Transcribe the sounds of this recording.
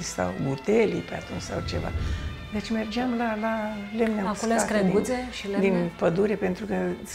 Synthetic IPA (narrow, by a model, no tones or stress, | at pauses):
ist̪a̰wbut̪elḭpea̰t̪unt͡ʃsa̰wt͡ʃe̞̰va̰ | d̪et͡ʃʲme̞rd͡ʒeamlalalemnausestkɾeɡuzeʃild̪inpəd̪uɾe̞pent̪ɾukə